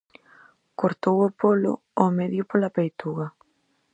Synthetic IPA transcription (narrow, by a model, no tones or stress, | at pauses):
koɾt̪owʊpolʊ̰ | omeðjʊpolapejt̪uɣɐ